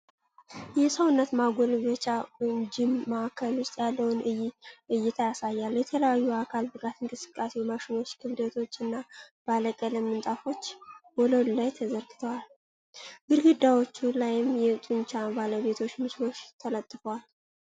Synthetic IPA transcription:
jɛsəwnːət̪maɡʷolbət͡ʃad͡ʒɪmːaakʰːəlwʊst̪ʼjalːəwʊnɨjʔɨjːɪt̪ʰajasajːalːjɛt̪ʰələjajːuakʰalbɨɡat̪ɨŋkʼɨsɨ̥kʼːasemaʃɪno̞t͡ʃːkʰɨβd̪ət̪ʰo̞t͡ʃːɨnːab̥aləkʼələmːɨnt̪ʼafo̞t͡ʃːboləd̪ulajt̪ʰəzəɾɡɨt̪ʰəwal | ɡɨɾɡɨd̪ːawo̞t͡ʃːulajɪmjɛt̪ʼunt͡ʃabaləβe̞t̪ʰo̞t͡ʃːmɨt͡ʃlo̞ʃt̪ʰələt̪ʼːɨfəwal

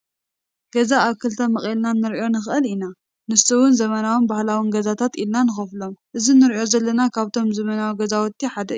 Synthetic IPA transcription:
ɡ̥ɐzaːβkɨlt̪ʰɐmɨχʼelnanːɨɾio̞nɨxʔɨlina | nɨst̪ɐwʊnzɐmɐnawunbahlawinɡɐzat̪ʰat̪ilnanɨxɐflo̞mʔɨzinɨɾijo̞zɐlːɐnakʰaβt̪ʰo̞mzɐmɐnawiɡɐzawɔt̪ːiħad̪ɐ

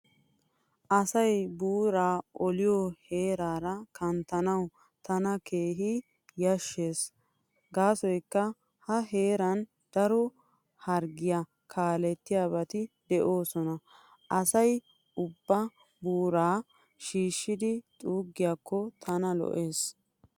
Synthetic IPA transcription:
ʔɐsɐjbuːɾaːʔɔlɪjɔhe̞ːɾaːɾɐkɐnt̪ɐnɐw | t̪ɐnɐke̞ːɦɪ | jɐʃːe̞ːs | ɡaːsɔjkːɐ | hɐɦe̞ːɾɐn | d̪̥ɐɾɔ | hɐɾɡɪjɐ | kʰaːlɛt̪ːɪjaːβɐt̪ɪd̪ɛʔo̞ːsɔnɐ | ʔɐsɐj | ʊbːɐ | buːɾaː | ʃiːʃːɪd̪ɪt̪ʼuːɡːɪjakʰːɔt̪ʰɐnɐlɔ̰ʔe̞ːs

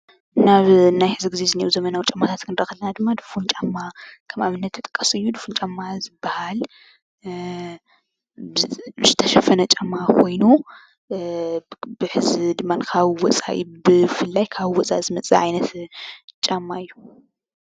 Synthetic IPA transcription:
naβnajħɨziɡɨzezɨneɾuzɐmɐnawut͡ʃʼamːat̪ʰat̪kʰɨnɾɐxɐlɐnad̪ɨmːad̪ɨfunt͡ʃʼamːakʰɐmaβɨnːɐt̪ʰːɨt̪ʼɨ̥kʼːɐsɨjːud̪ɨfunt͡ʃʼamːazɨbːahal | bzɨt̪ʰɐʃɐfɐnɐt͡ʃʼamːakʰo̞jnu | bɨħɨzid̪ɨmːankʰaβwɔt͡sʼa̰ʔḭbɨfɨlːajkʰaβɨwɔt͡sʼa̰zɨmɐt͡sʼḭʕajnɐt̪t͡ʃʼamːaɨjːu

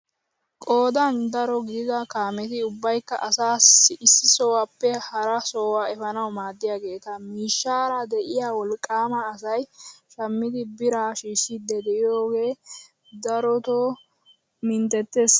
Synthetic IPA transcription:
kʼo̞ːd̪ɐnd̪ɐɾɔɡɪd̪ɪd̪ɐkaːmɛt̪ɪʊbːɐjkːɐ̰ʔɐsaːsɪɪsːɪsoːwɐpːɛhɐɾɐsoːwaːɛfɐnɐwmaːd̪ːɪjaɡe̞ːt̪ɐmiːʃːaːɾɐd̪ɛʔɪjaːwɔlkʼːaːmɐːsɐjʃɐmːɪd̪ɪbɪɾaːʃiːʃːɪd̪ːɛd̪ɛʔɪjoːɡe̞ː | d̪ɐɾɔt̪o | mɪnt̪ɛt̪ːes

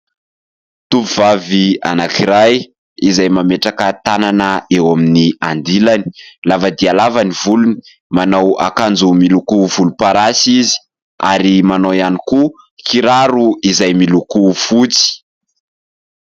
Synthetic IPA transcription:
t̪upuv̥avia̰nakiɾaj | izajmameʈ͡ʂakət̪ananəewaminiand̪ilani̥lavad̪ialavanivuluni̥ | manawa̰kand͡zumilukuvulupaɾasizi̥ | a̰ɾimanowjaniku | kiɾaɾuizajmilukufut͡si̥

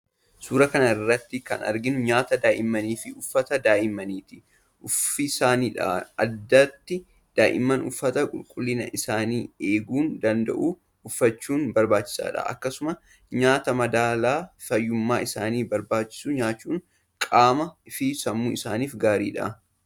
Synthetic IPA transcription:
suːɾɐkɐnɐɪrːɐt̪ːɪkɐ̰nɐ̰ɾɡɪnʊɲaːt̪ɐd̪aːʔɪmːɐniːfɪʊfːɐt̪ɐd̪aːʔɪmːɐniːt̪ɪ̥ | ʊfɪsaːniːᶑɐ̰ʔɐd̪ːɐt̪ːɪ | d̪̥aːʔɪ̰mːɐnʊfːɐt̪ɐkʼʊ̰lkʼʊlːɪnɐ̰ʔɪsaːniːe̞ːɡuːnd̪ɐnd̪ɐ̰ʔuː | ʊfːɐt͡ʃːuːnbɐɾbaːt͡ʃːɪ̥sa̰ːᶑɐ̰ʔɐ̰kːɐsʊmɐ | ɲaːt̪ɐmɐd̪aːlaːfɐjːʊmːaːɪsaːniːbɐɾbaːt͡ʃːɪ̥suɲaːt͡ʃːuːŋ | kʼaːmɐɪfɪsɐmːuːɪsaːniːfɡaːɾḭːᶑɐ̰ʔ

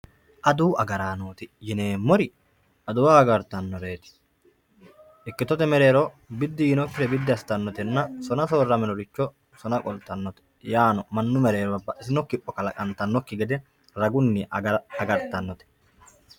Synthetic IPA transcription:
ʔɐd̪uːɐɡɐɾaːnoːt̪ɪjɪne̞ːmːɔɾɪ | ʔɐd̪ʊwaːɡɐɾt̪ɐnːɔɾe̞ːt̪ɪ̥ | ʔɪkːɪt̪ɔt̪ɛmɛɾe̞ːɾɔ | bɪd̪ːɪjɪnɔkːɪɾɛbɪd̪ːɪɐst̪ɐnːɔt̪ɛnːɐsɔnɐsoːrːɐmɛnɔɾɪt͡ʃːɔ | sɔnɐkʼɔlt̪ːɐnːɔt̪ɛ̥ | jaːnɔmɐnːʊmɛɾe̞ːɾɔbɐbːɐʔɪsɪnɔkːɪpːɔkɐlɐkʼɐnt̪ɐnːɔkːɪɡɛd̪ɛ | ɾɐɡʊnːɪʔɐɡɐɾt̪ɐnːɔt̪ɛ̥

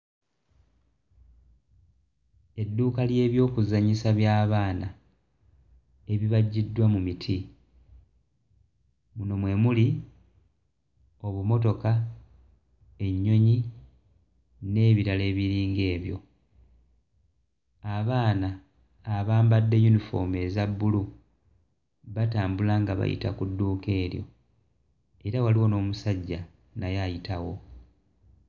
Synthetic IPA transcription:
e̞dːuːkalje̞ːβjo̞ːkuzaɲisaβjaːβaːna | e̞βiβaɟːidːwamumitʰi | muno̞mwe̞ːmuli | o̞βumo̞to̞ka | e̞ɲːo̞ɲi | ne̞ːβiɾale̞ːβiɾiːŋɡe̞ːβjo̞ | aβaːnaː | βaːmbadːe̞junifo̞̰me̞ːzabːulu | βataːmbulaŋɡaβa̰jḭta̰kudːuːke̞ːɾjo̞̰ | e̞ɾawaliwo̞no̞ːmusaɟːa | najajitawo̞

